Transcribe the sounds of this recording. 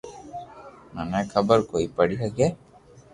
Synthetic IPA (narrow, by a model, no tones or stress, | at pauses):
manakʰabəɾkojpaɽiɦaɡɛ